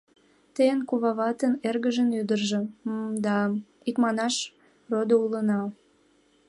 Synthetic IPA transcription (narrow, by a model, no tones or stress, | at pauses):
t̪ejənkuβɑβɑt̪ənerɣəʒənyd̪ərʒəd̪ɑ | ikmɑnɑʃ | rod̪oulənɑ